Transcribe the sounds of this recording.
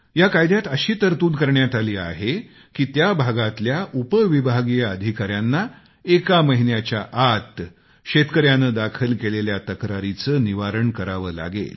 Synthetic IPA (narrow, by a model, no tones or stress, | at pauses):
jakajd̪jat̪əɕiːt̪əɾt̪uːnkəɾɳjat̪aliːa̰ɦe | kiːt̪jabʱaɡat̪ljaʔupəʋibʱaɡijəəd̪ʱikaɾjanːa | ekaməɦinjat͡ɕjaʔat̪ | ɕet̪kəɾjanəːd̪akʰəlkeleljat̪əkɾaɾit͡səːniʋaɾəɳkəɾaʋəːla̰ɡḛl